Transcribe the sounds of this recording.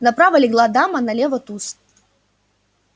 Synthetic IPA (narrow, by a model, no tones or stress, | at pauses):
nɐpɾavɐlʲɪɡlˠad̪amɐnɐlʲɛvɐt̪us